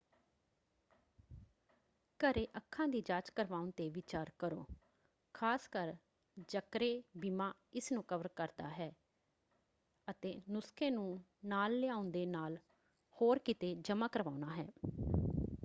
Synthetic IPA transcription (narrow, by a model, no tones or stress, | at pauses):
kəɾeːʔəkʰːãːd̪iːd͡ʒaːt͡ʃkəɾʋaːʊnt̪eːʋɪt͡ʃaːɾkəɾo̰ː | kʰaːskəɾ | d͡ʒəkɾeːbiːmãː | ɪsnũːkəʋəɾkəɾd̪a̰ːɦɛː | ət̪eːnʊskʰẽːnũːnaːlːɪaːʊnd̪eːnaːl | hoːɾkɪt̪eːd͡ʒəmãːkəɾʋaːʊnaːɦɛː